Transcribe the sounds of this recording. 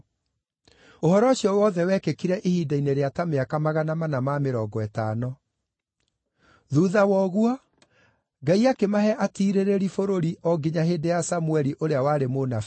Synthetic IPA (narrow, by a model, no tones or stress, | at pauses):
ohɔɾɔɕjɔwɔːðɛwɛkekiɾɛʔehiːdaineɾeatameakamaɣanamanamameɾɔɡɔɛtaːnɔ | ðuðawɔɣwɔ | ɡaiakemaɦɛʔatiːɾeɾeɾifoɾoɾiɔɡeɲaɦeːdejasamuɛɾiʔoɾeawaːɾemonaf